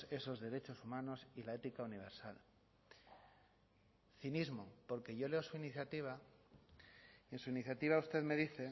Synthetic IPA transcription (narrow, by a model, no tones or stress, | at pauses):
e̞so̞zðe̞ɾe̞t͡ʃo̞sumãno̞silae̞t̪ikauniβ̞e̞ɾsal | θinizmopo̞ɾke̞ʝo̞le̞osuiniθjat̪iβ̞a | ẽ̞nsuiniθjat̪iβaust̪e̞ðme̞ðiθe̞